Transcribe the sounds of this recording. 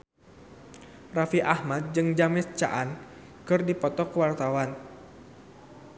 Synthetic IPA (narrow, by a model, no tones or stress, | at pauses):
rafiʔahmat̪̚d͡ʒɨŋd͡ʒamɛt͡ʃa̰ʔan | kɨrdipɔt̪ɔkəwart̪awan